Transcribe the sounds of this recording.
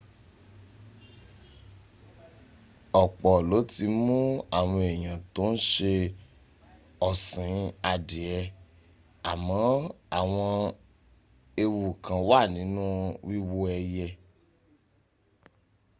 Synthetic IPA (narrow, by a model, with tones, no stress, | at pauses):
ɔ˨k͡pɔ˨lo˨˦ti˧mũ˦a˦˨w̃ɔ̃˧ɛ˨j̃ã˨to˨˦n̩˦ʃe˧ | ɔ˨sĩ˨˦a˧de˨ɛ˧ | a˨mɔ̃˨˦a˨w̃ɔ̃˧ | e˧wu˨kã˨wa˦˨nĩ˨˦nũ˦wi˦wo˧ɛ˧jɛ˧